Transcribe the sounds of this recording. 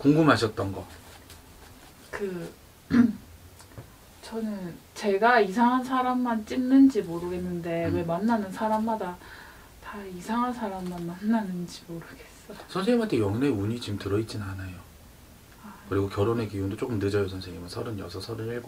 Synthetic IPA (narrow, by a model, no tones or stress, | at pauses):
koŋɡumaɕʰʌt̚t͈ʌnɡʌ | kɯ | t͡ɕʌnɯnt͡ɕe̞ɡaisʰaŋɦansʰaɾamːant͡ɕ͈innɯnd͡ʑimoɾɯɡe̞nːɯnde̞we̞manːanɯnsʰaɾamːada | taisʰaŋɦansʰaɾamːanmanːanɯnd͡ʑi̥moɾɯɡ̥e̞s͈ʌsʰʌnsʰeŋimɦantʰejʌŋne̞uɲit͡ɕimtɯɾʌit̚t͡ɕ͈inɯnɦanajo | kɯɾiɡokjʌɾone̞kijundot͡ɕ͈ok͈ɯmned͡ʑʌjosʰʌnsʰeŋimansʰʌɾɯnjʌsʰʌsʰʌɾɯeɭɡ